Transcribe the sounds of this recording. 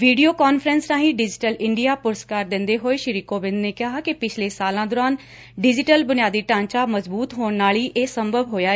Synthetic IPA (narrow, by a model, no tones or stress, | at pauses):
ʋiːɖijoːkaːnfɾənsɾãːɦĩːɖɪd͡ʒɪʈəlɪɳɖijaːpʊɾəskaːɾd̪ɪ̃nd̪eːɦoːeːʃɪɾiːkoːbɪ̃nd̪neːkɪɦaːkɪpɪt͡ʃʰleːsaːlãːd̪oːɾaːn | ɖɪd͡ʒɪʈəlbʊnɪjaːd̪iːʈãːɲt͡ʃaːməzbuːt̪ɦoːɳnaːliːʔeːsəmbʱəbɦoːjaːe